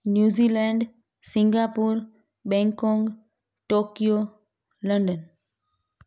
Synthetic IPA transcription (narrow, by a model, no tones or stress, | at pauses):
njuːzilɛɳɖ | sĩŋɡapuːɾ | bɛ̃ŋkɔ̃ːŋɡ | ʈoːkijo | ləɳɖən